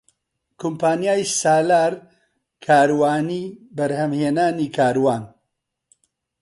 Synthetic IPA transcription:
kʰumpaːnjaːjsaːlaːɾ | kʰaːɾwaːniːbɐɾhɐmheːnaːniːkʰaːɾwaːn

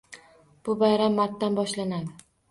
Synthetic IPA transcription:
b̥ʊbajɾamːaɾt̪ːanbɒʃlanad̪ɪ

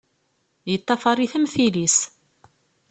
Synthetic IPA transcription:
jət̪ˤːɑfɑɾˤiθəmθilis

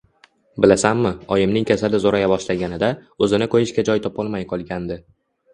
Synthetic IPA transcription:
bɪlasamːɪɒjɪmnɪŋkʲasalɪzoɾajabɒʃlaɡʲanɪd̪aɵzɪnɪkʰɵjɪʃkʲad͡ʒɒjt̪ʰɒpɒlˠmajqʰɒlˠɡʲand̪ɪ

